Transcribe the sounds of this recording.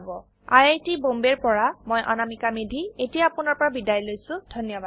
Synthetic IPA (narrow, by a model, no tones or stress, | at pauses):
bɔ | a̰jajtibombeɹpɔɹamojʔa̰namikamedʱietijaːpʊnɔɹpɔɹabidajlojsʊ̃dʱɔnjɔba